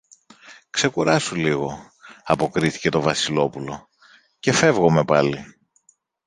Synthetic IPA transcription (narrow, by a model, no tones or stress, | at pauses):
kse̞kuɾɐsuliɣo̞ | ɐpo̞kɾiθi̥ce̞t̪o̞vɐsilo̞pulo̞ | ce̞fe̞vɣo̞me̞pɐli